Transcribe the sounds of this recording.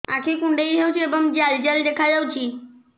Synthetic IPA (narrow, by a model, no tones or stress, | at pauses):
a̰kʰikuɳɖejɾʱawt͡ʃʰiebɔŋd͡ʑald͡ʑald̪ekʰad͡ʒawt͡ʃʰi